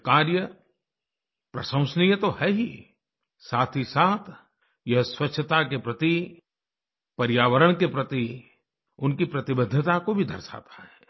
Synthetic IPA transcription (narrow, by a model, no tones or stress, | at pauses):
kaːɾjə | pɾɐsə̃ʊ̃snijət̪ohɛɦi | saːt̪ʰisaːt̪ʰ | jɐɦswɐtːʃʰət̪akepɾɐt̪i | pɐɾjaːʋəɾəɽ̃kepɾɐt̪i | ʊnkipɾɐt̪ɪbəd̪ʱːət̪akobʱid̪ʱɐɾsa̰ːt̪ḁɦɛː